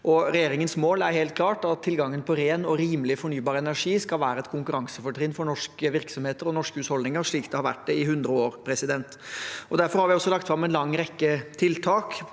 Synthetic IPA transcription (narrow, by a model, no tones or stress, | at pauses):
ʔɔɾɛjeːɾɪŋənsmoːlæɾheːlt̪̚kʰlɑːʈɑt̪ʰːɪlɡɑŋːənpʰɔɾeːnɔɾiːməlɪfɔɳyːbɑːɾəɛnæɾʂiːskɑlʋæːɾəɛt̪kʰʊŋkʉɾɑŋsəfɔʈʰɾɪnfɔɳɔʂkəʋɪɾksɔmheːt̪əɾɔnɔʂkəʉːshɔld̪nɪŋəɾʂɭiːkt̪ʰɛhɑɾʋæ̰ʈ̚d̪ɛɪhʉnd̪ɾəoːɾpʰɾɛsɪd̪ɛnt̪ʔɔd̪æɾfɔɾhɑɾʋɪɔsːɔlɑk̚t̪fɾɑmɛnlɑŋːɾɛkːət̪ʰɪlt̪ʰɑːk